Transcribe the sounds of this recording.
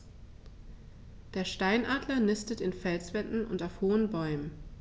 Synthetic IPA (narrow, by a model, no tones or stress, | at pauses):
d̥eːɐʃtaɪnʔaːdlɐnɪstətɪnfɛlsv̥ɛtn̩ʊ̰ntaʊfhoːənbɔʏmən